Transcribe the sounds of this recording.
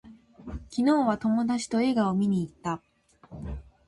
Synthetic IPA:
kʲino̞ːβat̪o̞mo̞d̪at͡ɕi̥t̪o̞e̞ɡao̞mʲiɲ̟iːt̪ːa

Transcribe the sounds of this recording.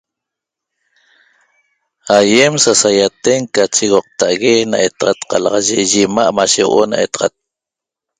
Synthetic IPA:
ajemsasajat̪eŋkat͡ʃiɣoq̚t̪aʔɣena̰ʔet̪ɑʁɑt̪qɑlɑʁɑʒeʒimaʔmaʃewʔo̰na̰ʔet̪ɑʁɑ̰t̪̚

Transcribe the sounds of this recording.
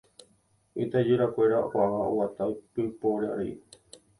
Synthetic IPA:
it̪ad͡ʒuɾakʷeɾaʔʷaʋao̰wat̪ajpɨpoɾaɾḭ

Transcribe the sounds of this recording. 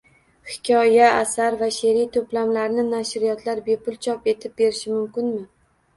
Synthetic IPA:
hɪ̥kʲʰɒjaːsaɾvaʃe̞ɾijt̪ʰoplamlaɾnɪnaʃɾijɒt̪ʰlaɾbe̞pʊlˠt͡ʃʰɒpe̞t̪ʰɪp̚be̞ɾɪʃɪmʊmkʲɪnmɪ

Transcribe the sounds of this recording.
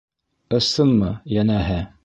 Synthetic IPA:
ɤ̆sɤnmɤjænæɦæ

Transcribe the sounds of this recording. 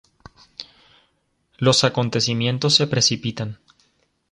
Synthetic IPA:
lo̞sako̞nt̪e̞simje̞nt̪o̞sːe̞pɾe̞sipit̪an

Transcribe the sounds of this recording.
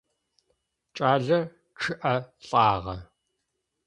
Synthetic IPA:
t͡ʃʼaːɮɐ | ʈ͡ʂʰɨʔɐɬʼɑːʁɐ

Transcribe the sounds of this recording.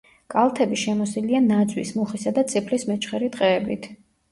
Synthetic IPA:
kʼalˠt̪ʰɛbiʃɛmɔsilianad̪zwḭsmuχisad̪at̪sʼipʰlismɛt͡ʃʰʼχɛɾit̪ʼqʼɛːbit̪ʰ

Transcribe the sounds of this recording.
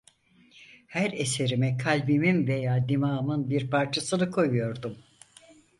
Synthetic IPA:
hæɾe̞se̞ɾimɛkʰalʲbiminve̞jaːd̪imaːmɯnbiɾpʰaɾt͡ʃʰasɯnɯkʰo̞jujo̞ɾd̪um

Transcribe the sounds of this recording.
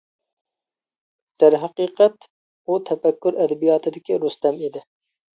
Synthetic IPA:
d̪̥æɾɦɑqiːqʰɛt̪ | ut̪ʰɛfɛkʲːʊɾɛd̪ɛbijɑːt̪ʰɨd̪ɪkʲiɾust̪ɛmid̪ɪ

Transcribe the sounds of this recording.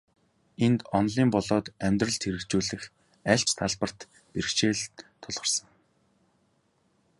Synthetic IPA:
ent̪ɔnɮiːmpɔɮɔːt̪æmʲt̪rə̆ɮt̪ʰxeɾɘ̆kt͡ɕuːɮɘ̆x | æɬt͡ɕt̪ʰaɮpə̆r̥t̪ | perkt͡ɕeːɮt̪ʰːʊɮʁə̆rsə̆ŋ

